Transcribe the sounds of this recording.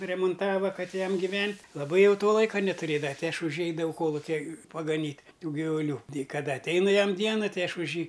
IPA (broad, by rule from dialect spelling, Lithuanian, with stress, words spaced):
rʲɛmʊnˈtɑːʋɐ ˈkɐt ˈjɛm ɡʲɪˈʋʲɛnʲtʲ lˠɐˈbɐɪ ˈjɛʊ ˈtoː ˈlˠɐɪkɐ nʲɛtʊˈrʲeːdɐʋɐ ˈtʲɪ ˈɐʃ ʊʃ jiː ˈɛɪdɐʋɐʊ ˈkoːlˠʊkʲɛ pɐɡɐˈnʲiːtʲ ˈtuː ɡʲɪʋʊˈlʲuː tʲɛɪ kɐˈdɐ ɐtʲˈɛɪnʊ ˈjɛm ˈdʲiɛnɐ ˈtɐɪ ˈɐʃ ʊʃ ˈjiː